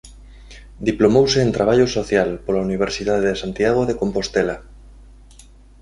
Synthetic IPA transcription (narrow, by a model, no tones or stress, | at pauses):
d̪iplomowseːnt̪ɾaβ̞aʎosoθjalpolauniβ̞eɾsiðað̞eðesant̪iaɣoðekompost̪ela